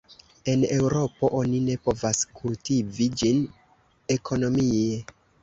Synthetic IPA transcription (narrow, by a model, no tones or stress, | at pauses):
e̞ne̞wɾo̞po̞ʔo̞nine̞po̞vaskʰultivid͡ʒin | e̞kʰo̞no̞mie̞